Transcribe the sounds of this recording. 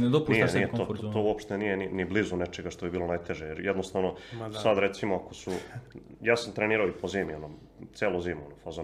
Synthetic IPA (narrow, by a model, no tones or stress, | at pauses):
d̪onijenːjet̪oːt̪o̞uopʃt̪enijeniniblizunet͡ʃe̞ɡaʃt̪oibiːlˠo̞najt̪e̞ʒejeɾjed̪nost̪aʋnosad̪ɾe̞t̪simoako̞sujaːsamt̪ɾeniːɾaoipoziːmiono | t̪seːloziːmonofazo